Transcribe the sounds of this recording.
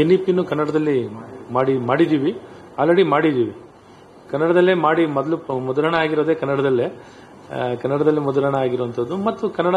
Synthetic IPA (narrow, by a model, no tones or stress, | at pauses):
enːipinːukɐnːɐɽɐd̪ɐlːimaːɽimaːɽid̪iːʋi | aːlɾeɽimaːɽid̪iːʋi | kɐnːɐɽɐd̪ɐlːimaːɽimɔd̪ɐlumɔd̪ulɐɳɐaːɡiɾoːd̪e̞ːkɐnːɐɽɐd̪ɐlːe | kɐnːɐɽɐd̪ɐlːimɔd̪ulɐɳɐaːɡiɾuʋɐnt̪ʰɐd̪ːumɐt̪ːukɐnːɐɽɐ